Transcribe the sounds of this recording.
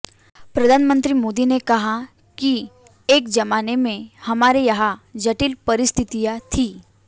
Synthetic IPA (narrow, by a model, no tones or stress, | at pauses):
pɾɐd̪ʱaːnmə̃nt̪ɾimoːd̪inekɐɦa | ki | eːkd͡ʒɐmaːnemẽhɐmaːɾejɐɦad͡ʒɐʈilpɐɾɪst̪ʰɪt̪ijat̪ʰiː